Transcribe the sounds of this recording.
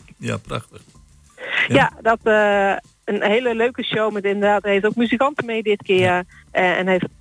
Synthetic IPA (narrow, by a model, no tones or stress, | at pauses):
ja̰pra̰xtəχ | jadɔtə | ənheːləløːkəʃowmɛtɪndədaːtheftowk̚myzikɑntənmeːdɪtkɪəɛ̰nɦɛft